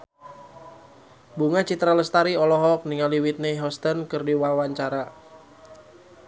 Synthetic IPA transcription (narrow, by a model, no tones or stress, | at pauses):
buŋat͡ʃit̪ɾaləst̪aɾiɔlɔɦɔk̚niŋaliwit̪̚neɦɔst̪ənkɨrdiwawaɲt͡ʃaɾa